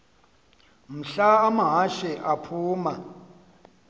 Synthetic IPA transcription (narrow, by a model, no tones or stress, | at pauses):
m̩ɬaːmaɦaʃɛʔapʰuːma